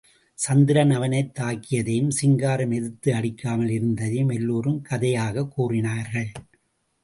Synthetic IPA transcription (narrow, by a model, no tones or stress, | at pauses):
sɐnd̪ɪɾɐnɐʋɐnɐɪt̪ːaːkːɪjɐðeːjɯmsɪŋɡaːɾɐmɛðɯt̪ːɯɐɽɪkːaːmɐlɪɾɯnd̪ɐðemɛlːoːɾɯmkʰɐðɐjaːɣɐkːuːrɪnaːɾɣɐɭ